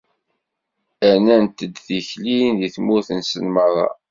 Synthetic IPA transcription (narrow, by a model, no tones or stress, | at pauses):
ænænt̪əd̪θiçlinðiθmʊθənsənmərˤːɑ̰